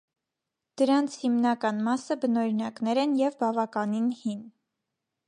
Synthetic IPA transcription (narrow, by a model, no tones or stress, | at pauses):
d̪̥əɾɑnt͡sʰhimnɑkɑnmɑsəbənɔɾinɑknɛɾɛnjɛvbɑvɑkɑninhin